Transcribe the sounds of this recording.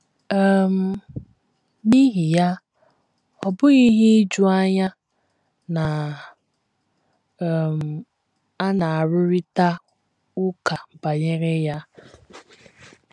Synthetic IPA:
m̩˨ | ni˦ɦi˨ja˦ | ɔ˨bʊ˦ɣi˦ɦi˦i˦d͡ʒu˦a˦ɲa˦ | na˨ | m̩˨ | a˦na˨a˨ɾʊ˦ɾi˦ta˦ | ʊ˦ka˨m̩˨ba˨ɲe˦ɣe˦ja˦

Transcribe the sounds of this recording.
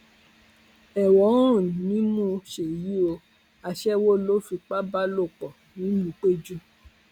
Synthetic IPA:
ɛ˨wɔ˨˦ũ˦˨nĩ˨˦mũ˦ʃe˨ji˦o˧ | a˧ʃɛ˦wo˦lo˦fi˧k͡pa˦ba˦lo˦˨k͡pɔ˨ | nĩ˨˦nũ˨˦k͡pe˦d͡ʒu˦

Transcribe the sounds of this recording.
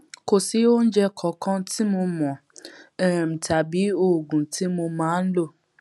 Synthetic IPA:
ko˨si˨˦o˦n̩˦d͡ʒɛ˧kʰɔ˨kʰã˦ti˦mo˧mɔ̃˨ | ɛ˨m̩˨tʰa˨bi˨˦o˦˨ɡũ˨ti˨˦mo˧mãː˦n̩˦lo˦˨

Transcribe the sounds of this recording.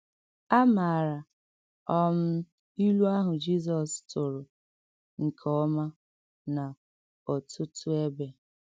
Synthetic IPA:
a˦ma˨ɾa˨ | ɔ˦m̩˦ | i˦lu˦a˦ɦʊ˨d͡ʒi˦s̬ɔ˨stʊ˨ɾʊ˨ | ŋ̩˨kʰɔ˦ma˦ | na˨ | ɔ˨tʰʊ˦tʊ˦e˦be˨

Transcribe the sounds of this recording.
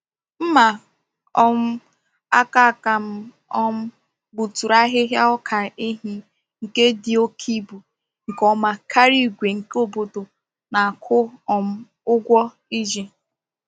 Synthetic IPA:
m̩˦ma˨ | ɔ˦m̩˦ | a˦ka˦˨ka˨m̩˦ | ɔ˦m̩˦ | bu˨tu˨ɾa˦ɦɪ˦ɦja˦ɔ˦kʰa˨e˦ɦi˦ | ŋ̩˨ke˦di˦o˦kʰi˦bu˨ | ŋ̩˨kɔ˦ma˦kʰa˦ɾi˦ɡʷe˨ŋ̩˨ko˦bo˨to˨ | na˨kʰʊ˦ɔ˨m̩˦ | ʊ˦ɡʷɔ˦ | i˦d͡ʒi˨

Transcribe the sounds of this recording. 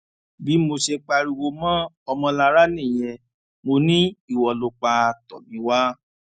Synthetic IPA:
bi˨˦mo˧ʃe˧k͡pa˧ɾi˧wo˧mã˦ | ɔ˧mɔ̃˧la˧ɾa˦nĩ˦˨j̃ɛ̃˧ | mo˧nĩ˦i˦˨wɔ˨lo˧k͡pa˧tɔ˨mĩ˨˦wa˦

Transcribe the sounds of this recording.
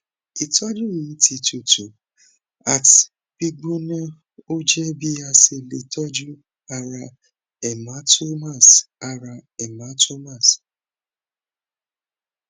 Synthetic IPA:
i˨ta˦d͡ʒu˦ɾi˨˦ti˨tu˨tu˨ | a˨t | pi˦ɡ͡bu˦na˦ | o˦d͡ʒe˦bi˦ja˦se˨˦le˨tɔ˦d͡ʒu˦ | a˨ɾa˨ | ɛ˨ma˨˦to˦ma˦˨sa˨ɾa˨ɛ˨ma˨˦to˦ma˦˨s

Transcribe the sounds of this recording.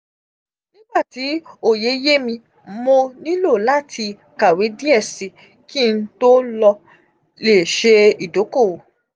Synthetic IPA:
nĩ˦ɡ͡ba˦˨ti˨˦o˦˨je˨˦je˦mĩ˧ | mo˧nĩ˦lo˦˨la˦tʰi˧ | ka˨we˨˦di˦ɛ˦˨si˨˧ | ki˦˧n̩˦to˦lɔ˧ | le˨ʃe˧i˨do˨˦ko˦˨

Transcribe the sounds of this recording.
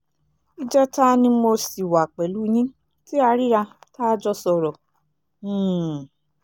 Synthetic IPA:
i˦d͡ʒɛ˦ta˦nĩ˧mo˧si˨wa˨k͡pɛ˨lu˦˧ɲĩ˦ | ti˦a˧ɾi˦ɾa˧taː˦d͡ʒɔ˦sɔ˧ɾɔ̃˨˦˨

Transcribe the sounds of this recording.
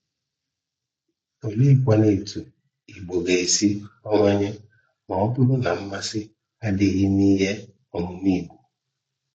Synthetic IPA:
o˨le˦i˦kʷa˦ne˨tu˨ | i˨ɡ͡bo˨ɡe˨e˨si˦ɔ˦ŋʷa˦ɲe˦ | ma˨ɔ˦pʊ˦ɾʊ˦na˨m̩˦ma˦sɪ˦ | a˦dɪ˨ɣɪ˦niː˦ɦe˦ | ɔ˨mʊ˨ni˦˨ɡu˨

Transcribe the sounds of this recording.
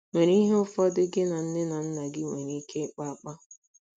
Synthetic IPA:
ŋʷe˨ɾi˦ɦe˦ʊ˦fɔ˦dɪ˦ɡɪ˦na˨n̩˦nɪ˦na˨n̩˦na˨ɡɪ˦ŋʷe˨ɾi˦kʰe˦k͡pa˦a˦k͡pa˦

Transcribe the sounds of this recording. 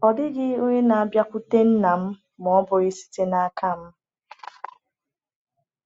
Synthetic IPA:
ɔ˨dɪ˦ɡɪ˦o˦ɲe˦na˨a˨bja˦kʷu˦te˦n̩˦na˨m̩˦ | mɔ˨˦bʊ˨ɣi˦si̥˦te˦na˨a˦kʰa˦˨m̩˦

